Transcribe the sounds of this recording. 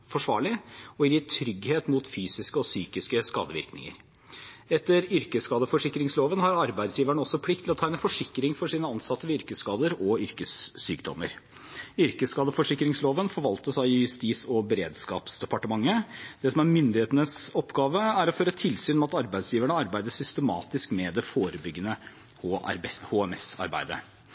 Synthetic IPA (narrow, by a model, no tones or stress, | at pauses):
fɔʂʋɑ̰ːɭɪɔɪɪt̪ʰɾʏɡheːt̪muːt̪fyːsɪskəɔsyːkɪskəskɑ̰ːd̪əʋɪ̰ɾknɪ̰ŋə̰ɾ | ɛt̪ːəɾʏɾkəskɑːd̪əfɔʂɪkːɾɪŋsloːʋənhɑɾɑɾbæɪd̪sjiːʋæɳəɔsːɔpʰlɪk̚t̪lɔt̪ʰɑːɛnəfɔʂɪkɾɪŋfɔʂiːnəɑnsɑt̪ːəʋʏɾkəskɑːd̪əɾɔʏɾkəsːy̰ːkd̪ɔ̰mə̰ɾ | ʏɾkəskɑːd̪əfɔʂɪkːɾɪŋsloːʋənfɔɾʋɑlt̪əʂæɪɪjʉst̪iːsɔbɛɾḛːd̪skɑ̰ːpsd̪ɛpɑʈəmɑŋːəd̪̥ɛsɔmæɾmʏnd̪ɪheːt̪ənəsɔpːɡɑːʋəæɾɔføːɾət̪ʰɪlsyːnɔmɑt̪ɑɾbæɪsjiːʋæɳəɑɾbæɪd̪əʂʏst̪əmɑ̰ːt̪ɪskmɛd̪ɛfoːɾəbʏɡːənə | hhoːɛmɛsɑ̰ɾbæ̰ɪd̪ə̰